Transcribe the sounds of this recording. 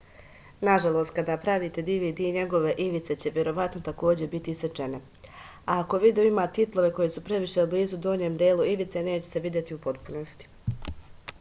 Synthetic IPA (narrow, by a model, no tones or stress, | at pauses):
naʒalˠo̞ːst̪̚kad̪aːpɾaʋiːt̪e̞d̪iːʋiːd̪iːɲe̞ɡo̞ʋe̞ʔiʋit̪se̞t͡ɕe̞ʋje̞ɾo̞ʋat̪not̪ako̞ːd͡ʑe̞bit̪iiset͡ʃe̞ne̞ | aako̞ʋiːd̪oimaːt̪it̪lˠo̞ʋe̞ko̞jesupɾe̞ʋiʃeubliːzud̪o̞ːɲeːmd̪eːluiʋit̪se̞ne̞ːt͡ɕese̞ʋid̪je̞t̪iupo̞t̪puno̞st̪i̥